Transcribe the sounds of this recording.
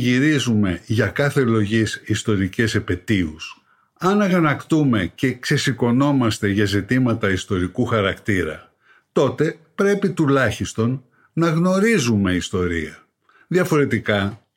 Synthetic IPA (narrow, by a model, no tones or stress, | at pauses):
ʝiɾizume̞ʝɐkɐθe̞lo̞ʝisist̪o̞ɾice̞sepe̞t̪ius | ɐnɐɣɐnɐkt̪ume̞ce̞kse̞siko̞no̞mɐst̪e̞ʝɐzit̪imɐt̪ɐist̪o̞ɾikuxɐɾɐkt̪iɾɐ̰ | t̪o̞t̪e̞pɾe̞pit̪ulɐçist̪o̞n | nɐɣno̞ɾizume̞ist̪o̞ɾḭɐ | ðjɐfo̞ɾe̞t̪ikɐ